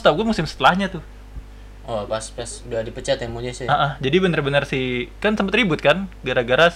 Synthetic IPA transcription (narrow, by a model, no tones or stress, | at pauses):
st̪awɡuamusɪmsə̥t̪əlahɲat̪ʊh | ɔpaspasduadipət͡ʃat̪jaŋmuɲasɪaʔəhd͡ʒadibənarbənərsikansəmpət̪ribʊt̪̚kanɡaɾaɡaɾa